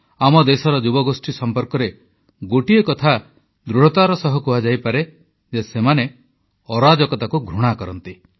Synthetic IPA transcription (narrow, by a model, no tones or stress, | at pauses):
amɔd̪esɔɾɔd͡ʒubɔɡosʈʰisɔmpɔɾkɔɾe | ɡoʈiekɔt̪ʰa | d̪ɾuɽ̤ɔt̪aɾɔsɔɦɔkuad͡ʒajpaɾe | d͡ʒesemane | ɔɾad͡ʒɔkɔt̪akuɡʱɾuɽ̃akɔɾɔnt̪i